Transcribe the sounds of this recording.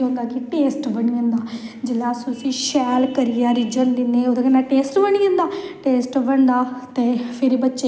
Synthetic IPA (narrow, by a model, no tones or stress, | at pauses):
ɦõːnd̪aːkɪʈeːsʈbəɳiːə̃nd̪aːd͡ʒɪlaːsosĩːʃɛːlkəɾɪjaːɾɪd͡ʒənd̪ɪnːeːoːd̪aːkənaːʈeːsʈbəɳ̃iːə̃nd̪aːʈeːsʈbəɳd̪aːt̪eːpʰɪɾbətːʃeː